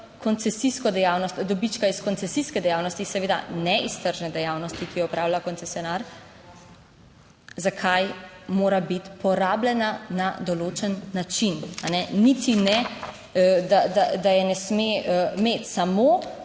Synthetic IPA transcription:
kɔnt̪sɛsiskɔd̪ɛjawnɔst̪d̪ɔbit͡ʃkaiskɔnt̪sɛsiskɛd̪ɛjawnɔst̪isɛʋeːd̪a̰nɛist̪əɾʒnɛd̪ɛjawnɔst̪ikijɛɔpɾaːwlakɔnt̪sesjɔnaɾ | zakʰajmoːɾabit̪pɔɾaːblɛnanad̪ɔloːt͡ʃɛnːat͡ʃinanɛnit̪inɛ | d̪ad̪ad̪ajɛnɛsmemet̪samo

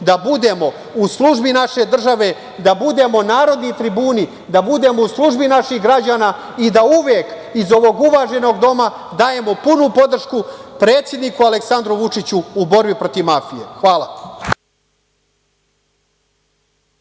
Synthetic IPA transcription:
d̪abud̪e̞mo̞ | uslˠuʒbinaʃe̞d̪r̩ʒaʋe̞ | d̪abud̪e̞ːmo̞naːɾod̪nit̪ɾibuːni | d̪abud̪e̞mo̞uslˠuʒbinaʃiɣɡɾad͡ʑaːnaː | id̪auʋjek | izo̞ʋo̞ɡuʋaʒe̞no̞ːɡd̪o̞ma | d̪aːje̞mo̞punupo̞d̪r̩ʃkupɾe̞ːt̪sjed̪nikualeksand̪ɾuʋut͡ʂit͡ɕuːbo̞ɾbipɾo̞t̪iʋmafijḛxʋaːlˠḁ

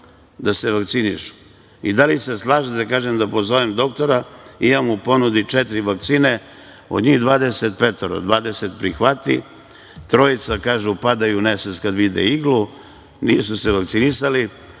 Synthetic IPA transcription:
d̪aseʋakt̪siniʃu̥ | id̪aliseslˠaːʒet̪ekaːʒemd̪apo̞zo̞ʋemd̪o̞kt̪o̞ɾaijaːmupo̞nud̪it͡ʂet̪ɾiʋak̚t̪siːne̞ | o̞̰d̪ɲiɣd̪ʋaːd̪eset̪̚pet̪oɾa̰d̪ʋaːd̪eset̪pɾixʋat̪ḭ | t̪ɾo̞it̪sakaːʒupad̪ajuneset̪skad̪ʋid̪ḛiɡlu | niːsuseʋakt̪sinisali

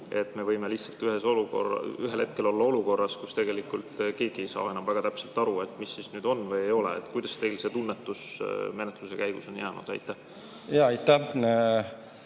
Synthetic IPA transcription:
e̞t̪ːme̞vɤjme̞liht̪sɑlt̪yɦe̞soluko̰rɑyɦelhe̞t̪̚ke̞lolːɑo̞luko̞rːɑskust̪e̞ɡe̞likˑult̪ke̞ːɡ̥iejsɑ̰ːe̞nɑmvæɡ̥ɑt̪æpse̞lt̪ˑɑɾuet̪ˑmisːisnyːd̪o̞nːvɤjejo̞lḛḛt̪ːˑkujd̪ɑst̪e̞jlse̞ːt̪unːet̪ːˑusme̞net̪luse̞kæjɡ̥uso̞njæːnṵd̪̥ɑ̰jt̪ːˑæh | jɑɑjt̪ːæ

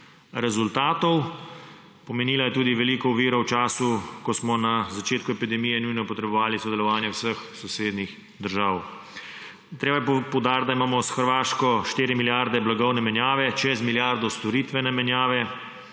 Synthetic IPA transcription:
ɾɛzult̪aːt̪ɔw | pɔmɛniːlajɛt̪uːd̪iʋɛliːkɔuʋiːɾɔwt͡ʃaːsukɔsmɔnazat͡ʃeːt̪kuɛpid̪ɛmiːjɛnujnɔpɔt̪ɾɛbɔʋaːlisɔd̪ɛlɔʋaːnjɛwsəxsɔseːd̪nix | d̪əɾʒaːw | t̪ɾeːbajɛpɔwd̪aːɾt̪d̪aimaːmɔsxəɾʋaːʃkɔʃt̪eːɾimiljaɾd̪ɛblaɡɔwnɛmɛnjaːʋɛt͡ʃɛzmiljaɾd̪ɔst̪ɔɾiːt̪ʋɛnɛmɛnjaːʋɛ

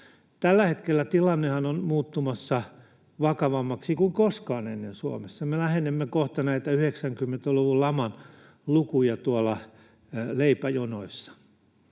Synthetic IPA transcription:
t̪ælːæhet̪kelːæt̪ilɑnːehɑnonmuːt̪ːumɑsːɑ | ʋɑkɑʋɑmːɑksikuiŋkoskɑːnḛnːensuo̰mesːɑmelæhenemːekoht̪ɑnæit̪æyheksæŋkymːent̪æluʋullɑmɑn | lukujɑt̪uɑlɑ | leipæjonoisːɑ̥

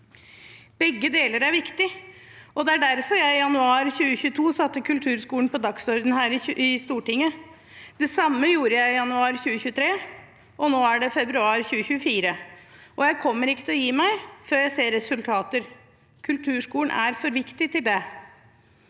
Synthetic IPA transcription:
b̥ɛɡːəd̪eːləɾæɾʋɪkt̪ɪʔɔd̪ɛæɖæɾfɔɾjæɪɪjɑnʉɑːɾçʉːəçʉːt̪ʰuːsɑt̪ːəkʰʉlt̪ʰʉːɾʂkuːln̩pɔd̪ɑksɔɾd̪n̩hæːɾɪɪst̪uːʈɪŋːə | d̪̥ɛsɑmːəjuːɾəjæɪɪjɑnʉɑːɾçʉːəçʉːət̪ʰɾeː | ʔɔnoːæɖɛfɛbɾʉɑːɾçʉːəçʉːəfiːɾəʔɔjæɪkʰɔmːəɾɪkːət̪ʰɛlɔjiːmæɪføːɾjæɪseːɾɛsʉlt̪ʰɑːt̪əɾ | kʰʉlt̪ʰʉːʂkuːlɳ̩ʔæɾfɔɾʋɪkt̪ɪt̪ɪld̪ɛ

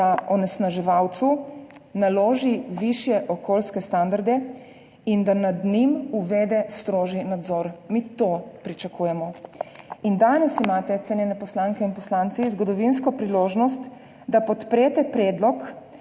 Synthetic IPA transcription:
aɔnɛsnaʒɛʋawt̪sunaloːʒiʋiʃjɛʔɔkoːlskɛst̪and̪aɾd̪ɛ | ind̪anad̪nimuʋeːd̪ɛst̪ɾoːʒinad̪zɔɾmit̪opɾit͡ʃakʰuːjɛmɔ | ind̪aːnɛsimaːt̪ɛt̪sɛnjɛnɛpɔslaŋkɛinpɔslaːnt̪sizɡɔd̪ɔʋins̬kɔpɾiloːʒnɔst̪ | d̪apɔt̪pɾeːt̪ɛpɾɛːd̪lɔk

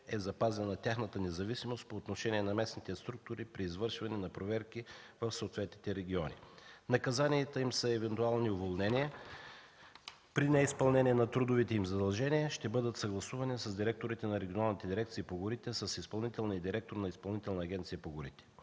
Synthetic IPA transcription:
ɛzɐpazɛnɐt̪ʲjaxnɐt̪ənɛzɐvisimost̪̚poːt̪noʃɛniɛnɐmɛsnit̪ɛst̪ɾuk̚t̪ʊɾipɾiːzvɤɾʃvɐnɛnɐpɾovɛɾkivəfsoot̪vɛt̪nit̪ɛɾɛɡʲiɔnʲḭnɐkɐzaniɛt̪əimsəɛvɛnt̪ualˠniʊvolˠnɛniə | pɾinɛispɐlˠnɛniɛnɐt̪ɾud̪ʊvit̪ɛimzɐd̪ɐlˠʒɛniəʃt̪ɛbɤd̪ət̪sɐɡlˠɐsuvɐnisəzd̪iɾɛk̚t̪oɾit̪ɛnɐɾɛɡʲionalˠnit̪ɛd̪iɾɛkt̪sipoɡʊɾit̪ɛsəsispɐlˠnit̪ɛlˠniid̪iɾɛk̚t̪oɾnɐispɐlˠnit̪ɛlˠnɐːɡʲɛnt̪siəpoɡʊɾit̪ɛ̥

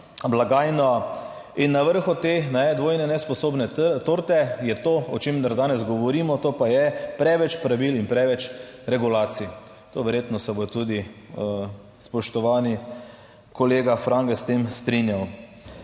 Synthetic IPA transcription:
blaɡaːjnɔ | inːaʋəɾxɔt̪enaɛd̪ʋoːjnɛnɛspɔsoːbnɛt̪oɾt̪ɛjɛt̪oːɔt͡ʃemd̪aɾd̪aːnɛzɡɔʋɔɾiːmɔt̪oːpajɛpɾɛʋɛt͡ʃpɾaʋilinpɾɛʋɛt͡ʃ | ɾɛɡulaːt̪si | t̪oːʋɛɾjeːt̪nɔsɛbot̪ud̪i | spɔʃt̪ɔʋaːni | kɔleːɡafɾaŋɡɛst̪emst̪ɾinjaw

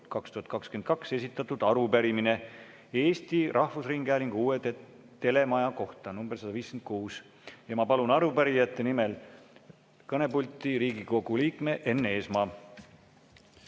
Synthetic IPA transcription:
kɑkst̪uhɑt̪̚ˑkɑkskyenkɑkse̞sit̪ːˑɑt̪ːˑud̪̥ɑɾupæɾimine̞ | e̞ːst̪irʔɑhvusriŋɡ̥æːlʲiŋɡ̥uːet̪e | t̪e̞le̞mɑjɑko̞ht̪ɑnumbesɑd̪ɑviːskent̪̚kuːs | jɑmɑpɑlunɑɾupæɾijɑt̪ːe̞nimel | kɤne̞pulʲt̪ːˑiɾiːɡiko̞ɡ̥uliːkme̞ʔe̞nːe̞ːsmɑː

